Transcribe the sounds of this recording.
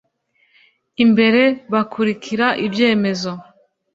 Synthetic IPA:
imbe̞ɾe̞βakuɾikʰiɾaʔibje̞ːme̞zo̞

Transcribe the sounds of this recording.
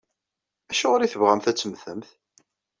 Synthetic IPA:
æʃæʁɾiθəvʁæmθæt͡sːəmθəmθ

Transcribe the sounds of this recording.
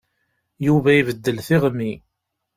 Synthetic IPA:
juvæjivəd̪ːəlθiʁmːi

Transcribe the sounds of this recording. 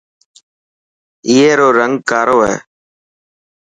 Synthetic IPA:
ɪːeːɾoːɾəŋɡ̚kaːɾoːɦɛ̰ː

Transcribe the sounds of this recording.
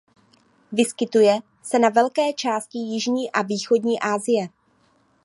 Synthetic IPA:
vɪskɪt̪ujɛ | sɛnavɛlkɛːt͡ʃaːscɪjɪʒɲiːʔaviːxo̞dɲiːʔaːzɪjɛ

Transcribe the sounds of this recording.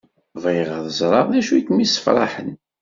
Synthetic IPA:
væjʁəðˤəzˤɾˤɑɾˤðæʃujkmisə̥fɾˤɑ̰ħən

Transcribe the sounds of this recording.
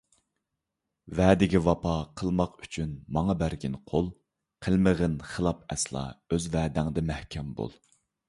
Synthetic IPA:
vɛːd̪ɪɡʲivɑpʰɑqʰəlˠmɑqy̥t͡ʃʰynmɑŋɑbæɾɡʲinqʰolˠ | qʰəlˠməʁənχəlˠɑpɛ̰slˠɑ̰øzvɛːd̪ɪŋd̪ɛmæhkʲʰɛmbo̰lˠ

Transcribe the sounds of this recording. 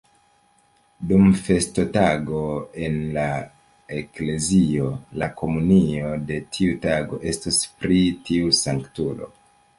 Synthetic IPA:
dumfe̞stotaɡo̞e̞nla | ekle̞zio̞lakʰo̞munio̞de̞tʰiutaɡo̞̰ʔe̞staspɾitiusaŋktulo̞̰

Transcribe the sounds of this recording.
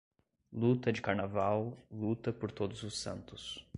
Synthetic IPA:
lut̪ɐd͡ʒɪkaɾnavawlut̪ɐpoɾt̪od̪ʊzʊsɐ̰̃nt̪ʊ̥s

